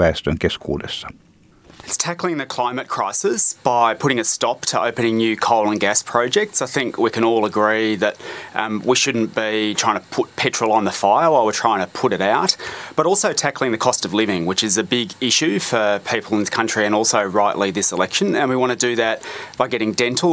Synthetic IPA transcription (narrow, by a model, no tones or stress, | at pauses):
æstɨ̃nɡɛskʰwɔ̰ɾə̰s | ɨtstʰæklˠɪ̃ŋðɨkʰl̥ãɪ̃mɨt̚kʰɹ̥aɪsɨsb̥aɪpʰʊɾɪ̃ŋɨtstɑp̚tʰəʔoʊpɨnɪ̃ŋnjʉkʰoʊlˠə̃nɡæspʰɹ̥ɑʊd͡ʒɛk̚tsaɪθɪ̃ŋkʰwikɨ̃ñɔlˠəɡɹiðɨt̚wiʃʊdⁿn̩b̥itʰɹ̥aɪɪ̃ŋtʰəpʰʊt̚pʰɛt͡ʃɹ̥l̩ˠə̃nðəfaɪə˞waɪlˠwə˞tʰɹ̥aɪɪ̃ŋtʰəpʰʊɾɨɾaʊt̚b̥ʌɾɔlˠsoʊtʰæklˠɪ̃ŋðɨkʰɔstʌvlɪvɪ̃ŋwɨt͡ʃɨzɨbɪɡɪʃʉfə˞pʰipl̩ˠə̃nðɪskʰʌ̃nt͡ʃɹ̥iɨ̃ñɔlˠsoʊɹaɪʔlʔiðɪsəlɛkʃɨ̃nɨ̃nwiwɑ̃ɾ̃ɨdɨðɨt̚b̥aɪɡɛɾɪ̃ŋdɛ̃ntʰˡl̩ˠ